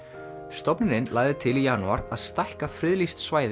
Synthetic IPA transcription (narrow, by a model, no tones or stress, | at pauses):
st̪ɔpnɪnɪnlaːɣðɪt̪ʰɪlijaːnuaɾaðst̪ajhkafɾɪðlist̪svaːjð